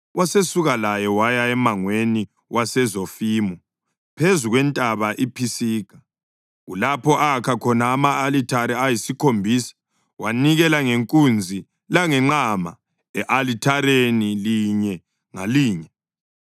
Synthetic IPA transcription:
wasesuɣalajɛwajaɛmaŋweni | wʔasɛzofiːmɔ | pʰezuɣwɛntʼaβaʔipʰisiːkʰḁ | ɣulapʰɔʔakʰakʰɔnaːmaːlitʰaɾiajisikʰombʱiːsḁ | waniɣɛlaŋeŋkʼund͡zʱi | laŋɛŋ͡ǃama | ɛʔalitʰaɾeniliɲɛ | ŋaliːɲɛ

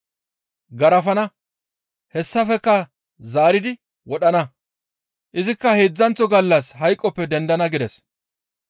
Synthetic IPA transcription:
ɡɐɾɐfɐnɐ | hɛsːɐfɛkːɐ | zaːɾɪd̪ɪ | wɔɗɐnɐ | ʔɪzɪkːɐheːd͡zːɐnt͡sɔɡɐlːɐshɐjkʼːɔpːɛd̪ɛnd̪ɐnɐɡɪd̪ɛs

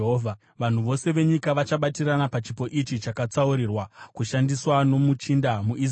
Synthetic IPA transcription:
ɦoːvʱa | ʋan̤uʋo̞se̞ʋe̞ɲikaʋat͡ʃaɓatiranapat͡ʃipo̞ʔit͡ʃit͡ʃakat͡sauɾirwakuʃandiswano̞mut͡ʃindamuʔi

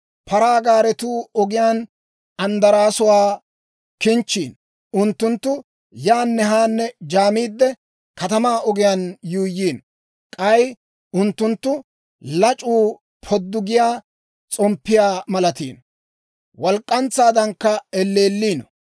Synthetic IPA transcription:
pɐɾaːɡaːɾɛt̪uːɔɡɪjaːn | ɐnd̪ɐɾaːsʊwaː | kɪnt͡ʃːiːn | ʊnt̪ːʊnt̪ːʊ | jaːnːɛɦaːnːɛd͡ʒaːmiːd̪ːɛ | kɐt̪ɐmaːɔɡɪjaːnjuːjːiːn | kʼɐj | ʊnt̪ːʊnt̪ːʊ | lɐt͡ʃʼuː | pʰɔd̪ːʊɡɪjaː | t͡sʼɔmpːɪjaːmɐlɐt̪ḭːn | wɔlkʼːɐnt͡sːaːd̪ɐŋkːɐɛlːeːlːiːn

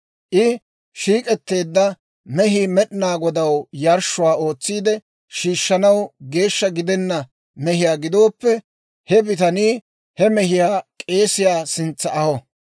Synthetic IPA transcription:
ʔɪ | ʃiːkʼɛt̪ːe̞ːd̪ːɐ | mɛɦiːmɛɗɪnaːɡɔd̪ɐwjɐɾʃːʊwaːo̞ːt͡sːiːd̪ɛ | ʃiːʃːɐnɐwɡe̞ːʃːɐɡɪd̪ɛnːɐ | mɛɦɪjaːɡɪd̪o̞ːpːɛ | hɛbɪt̪ɐniː | hɛmɛhɪjaːkʼe̞ːsɪjaːsɪnt͡sːɐɐhɔ

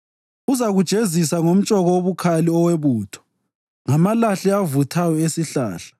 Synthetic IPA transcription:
uzaɣud̥ʒ̥ʱezisaŋom̩t͡ʃʼɔɣɔoβukʰaliɔweβuːtʰɔ̥ | ŋamalaɬɛavutʰajɔesiɬa̰ːɬḁ

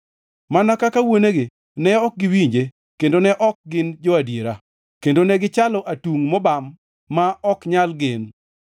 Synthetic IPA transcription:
manakakawoneɡe | nɛɔk̚ɡɪwiɲd͡ʒe | kendonɛʔɔk̚ɡɪnd͡ʒɔadjeɾa | kendonɛɡɪt͡ʃalɔʔatuŋmɔbamː | aɔkɲalɡɪn

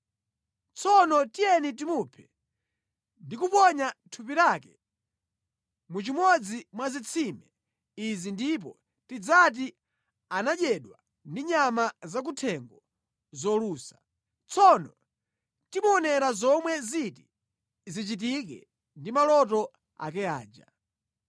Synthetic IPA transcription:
t͡sɔnɔtijɛnit̬imupʰɛ̥ | ndikupɔɲatʰupiɾakɛ | mut͡ʃimɔd͡zimwazit͡sʰimɛ | izindip̬ɔ̰ | tid͡zat̬i | anaʄɛɗwa | ndiɲamazak̬utʰɛŋɡɔ | zɔluːsḁ | t͡sʰɔnɔ | timuɔnɛɾazɔmwɛziti | zit͡ʃit̬ikɛ̰ | ndimalɔtɔ | a̰k̬ɛa̰ːd͡ʒa̰

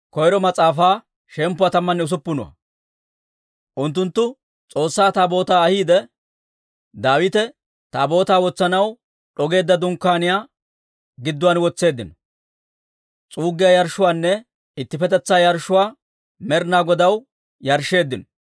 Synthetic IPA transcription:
kɔjɾɔmɐt͡sʼaːfaː | ʃɛmpːʊwaːt̪ɐmːɐnːɛʊs̬ʊpːʊnʊwɐ̰ | ʔʊnt̪ːʊnt̪ːʊ | t͡sʼo̞ːsːaːt̪aːbo̞ːt̪aːɐhiːd̪ɛ | d̪aːwɪt̪ɛ | t̪aːbo̞ːt̪aːwɔt͡sːɐnɐw | ɗɔɡe̞ːd̪ːɐd̪ʊŋkːaːnɪjaː | ɡɪd̪ːʊwaːnwɔt͡sːe̞ːd̪ːɪnɔ | t͡sʼuːɡːɪjajɐɾʃːʊwaːnːɛ | ɪt̪ːɪfɛt̪ɛt͡sːaːjɐɾʃːʊwaː | mɛɾnaːɡɔd̪ɐw | jɐɾʃːe̞ːd̪ːɪnɔ

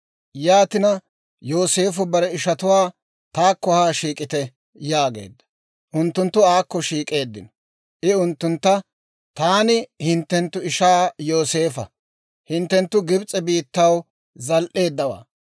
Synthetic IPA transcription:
jaːt̪ɪnɐ | jo̞ːse̞ːfʊbɐɾɛɪʃɐt̪ʊwaː | t̪aːkːɔhaːʃiːkʼɪt̪ɛ | jaːɡe̞̰ːd̪ːɐ̥ | ʔʊnt̪ːʊnt̪ːʊaːkːɔʃiːkʼe̞ːd̪ːɪ̰nɔ | ʔɪʊnt̪ːʊnt̪ːɐ | t̪aːnɪhɪnt̪ːɛnt̪ːʊɪʃaːjo̞ːse̞ːfɐ | hɪnt̪ːɛnt̪ːʊɡɪbt͡sʼɛbiːt̪ːɐw | zɐlʔe̞ːd̪ːɐwa̰ː

